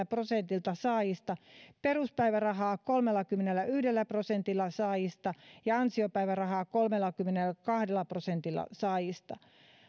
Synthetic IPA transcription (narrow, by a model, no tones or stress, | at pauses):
æprosent̪ilt̪ɑsɑːjist̪ɑperuspæiʋærɑɦɑːkolmelːɑkymːenelːæʔyhdelːæprosent̪ilːɑsɑːjist̪ɑjɑɑnsiopæiʋærɑhɑːkolmelːˑɑkymːenelkɑhdelːɑprosent̪ilːˑɑ̰sɑːjist̪ɑ̰